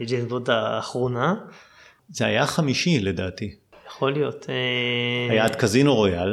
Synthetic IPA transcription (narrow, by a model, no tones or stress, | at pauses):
d͡ʒenvod̪aːχʁona | zeajaχamiʃiledaːt̪ijaχo̞lijot̪eajaːt̪kazinoʁojal